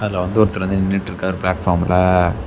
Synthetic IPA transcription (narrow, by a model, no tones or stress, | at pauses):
ɐðɪlːaʋɐnd̪ɯɔɾɯt̪ːɪlɐnd̪ɯnɪnːiʈːɪɾɯkːaːɔɾɯplaːʈfaːɾmɪlɐ